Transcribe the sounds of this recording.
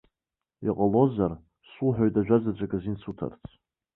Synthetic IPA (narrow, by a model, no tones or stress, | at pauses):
iqʼəlo̞zar | sulħʷᶣoɥtʼaʒᶣazad͡ʒʷakʼazinsʰutʰa̰rt͡sʰ